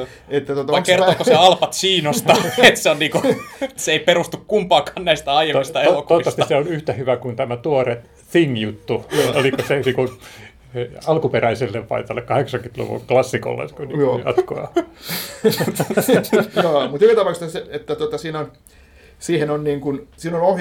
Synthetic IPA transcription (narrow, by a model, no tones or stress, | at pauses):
et̪ːæt̪ot̪ɑɑkert̪oːkːosɑlpɑt̪siːnost̪ɑːet̪seonniːkuseeiperust̪ukkumpɑːkɑːnnæist̪æɑijemmist̪æelokuotsːɑst̪iɑseonyht̪æhyʋækunt̪æmæt̪uore | θiŋjut̪ːuoolikoseniːku | ɑlkuperæiselːeʋpɑ̰it̪ɑlːekkɑheksɑŋkynt̪lṵʋṵlklɑsːiko̰lːḛskoniːjɑ̰t̪koɑ̰ | t̪ot̪ːjoːmut̪ykit̪ɑpɑˑkst̪ːɑseet̪ːæt̪uot̪ɑsiːnon | siːhenonniːŋkunsiːnonoh